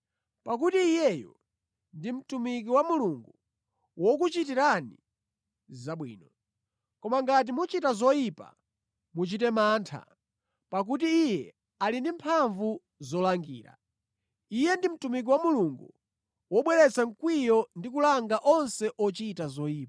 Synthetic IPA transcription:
pak̬utiːjɛjɔ̰ | ndim̩tumik̬iwamuluŋɡu | wɔk̬ut͡ʃitiɾani | zaɓwḭːnɔ | kɔmaŋɡat̬imut͡ʃitazɔjipa̰ | mut͡ʃitɛmaːntʰa̰ | pak̬ut̬iːjɛ | alindimpʰaɱvu | zɔlaŋɡḭːɾa̰ | ijɛndim̩tumik̬iwamuluŋɡu | wɔɓwɛlɛt͡saŋ̩kwijɔndikulaŋɡaʔɔnsɛʔɔt͡ʃitazɔiːp

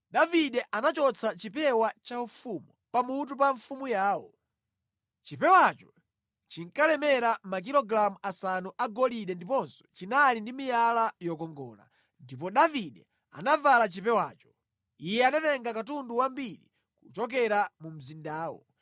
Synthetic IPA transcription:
ɗaviɗɛʔanat͡ʃɔt͡sʰat͡ʃipɛwat͡ʃaufumupamut̬upaɱfumujaːwɔ | t͡ʃipɛwat͡ʃɔ̥ | t͡ʃiŋkalɛmɛɾamak̬ilɔɡɾamuʔasanuʔaɡɔliɗɛndipɔnsɔ̥t͡ʃinalindimijalajɔkɔŋɡɔ̰ːla̰ | ndip̬ɔɗaviɗɛ | a̰navalat͡ʃipɛwa̰ːt͡ʃɔ̥ | ijɛanatɛŋɡakatunduwambiɾḭ | kut͡ʃɔk̬ɛɾamum̩zindaːwɔ̰

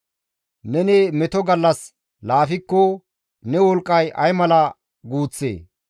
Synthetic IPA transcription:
nɛnemɛt̪ɔɡɐlːɐs | laːfɪkːɔ | nɛwɔlkʼːɐjɐjmɐlɐ | ɡuːt͡sːḛː

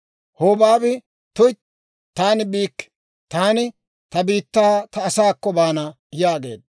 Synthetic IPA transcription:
hoːbaːbɪ | t̪ʊj | t̪aːnɪbiːkː | t̪aːnɪ | t̪ɐbiːt̪ːaːt̪ɐːsaːkːɔbaːnɐ | jaːɡe̞̰ːd̪

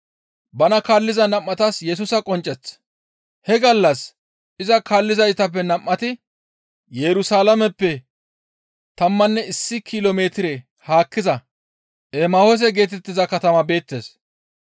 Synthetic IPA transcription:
bɐnɐkaːlːɪzɐnɐmːɐt̪ɐsjɛs̬ʊsɐkʼɔnt͡ʃʼːɛt͡sː | hɛɡɐlːɐs | ʔɪzɐkaːlːɪzɐjt̪ɐp̬ːɛnɐmːɐt̪ɪ | jɛɾʊsaːlɐmɛpːɛ | t̪ɐmːɐnːɛɪsːɪkʰɪloːmeːt̪ɪɾe | haːkːɪzɐ | ʔemahos̬ɛɡe̞ːt̪ɛt̪ːɪzɐkɐt̪ɐmɐbe̞ːt̪ːe̞̰ːs

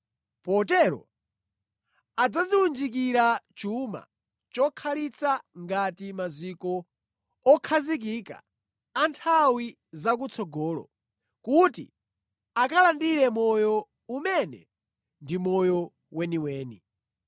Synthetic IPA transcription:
pɔtɛɾɔ̰ | ad͡zaziwund͡ʒik̬iɾat͡ʃuma̰ | t͡ʃɔkʰalit͡saŋɡatimazikɔ | ɔkʰazik̬ika̰ | antʰawi | zak̬ut͡sʰɔɡɔːlɔ̰ | kutḭ | akalandiɾɛmɔjɔ | umɛnɛ̰ | ndimɔjɔ | wɛniwɛːnḭ

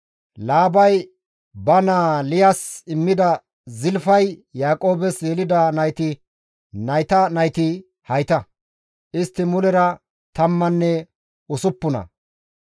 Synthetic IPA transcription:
laːbɐj | bɐnaːlɪjasɪmːɪd̪ɐ | zɪlfɐjjaːkʼo̞ːbɛsjɛlɪd̪ɐnɐjt̪ɪ | nɐjt̪ɐnɐjt̪ɪ | hɐjt̪ɐ | ʔɪst̪ːɪmʊlɛɾɐ | t̪ɐmːɐnːɛ | ʊsʊpːʊnɐ̰

